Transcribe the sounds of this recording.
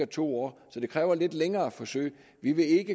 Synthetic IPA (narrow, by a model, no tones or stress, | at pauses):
ɐt͡sʰo̝̰ːɒ̰ːsɒ̽d̥e̝kʰʁɛːʊɐle̝d̥leŋɐːæfɒ̽sø̰ɪ̰ | ʋiʋe̝e̝ɡ̥ə